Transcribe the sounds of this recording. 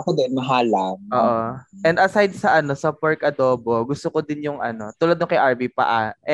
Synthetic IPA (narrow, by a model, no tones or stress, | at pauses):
ɐkod̪ɐnmɐɦaːlanʔoːʔoʔɛnd̪ʔɐsajd̪̚sɐʔɐno̞sɐpɐɹkʔɐd̪o̞ːbo̞ɡʊst̪okod̪ɪnjʊŋʔɐ̰no̞t̪uːlɐd̪nokɐjʔɐɹbipɐ̰ʔa̰ʔɛ